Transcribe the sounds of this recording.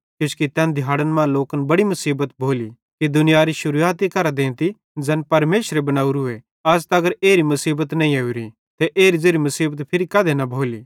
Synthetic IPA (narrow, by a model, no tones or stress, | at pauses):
kʊskit̪ɛ̃nd̪ʱjaːɽənmãloːkənbɐɽimʊsiːbət̪bʱoːli | kid̪ʊnɪjaɾiʃʊɾuaːt̪̬ikɐɾad̪ẽːnt̪i | d͡zɛːnpɐɾmeːʃɾebɐnaːuɾʊe | ɐst̪ɐɡəɾeːɾimʊsiːbət̪nɐ̃ːĩɐuɾi | t̪eʔeːɾizeːɾimʊsiːbət̪pʰɪɾikɐd̪enɐbʱoːliː